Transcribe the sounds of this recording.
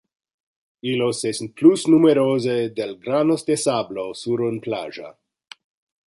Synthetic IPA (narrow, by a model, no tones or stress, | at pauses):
ilosesnplusnumeɾozed̪elɡɾanost̪esablosuɾonpla̰ʒa̰